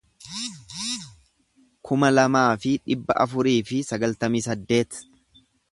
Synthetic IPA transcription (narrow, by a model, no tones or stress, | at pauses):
kʰʊmɐlɐmaːfɪᶑɪbːɐ̰ʔɐfʊɾiːfɪsɐɡɐlt̪ɐmiːsɐd̪ːe̞ːt̪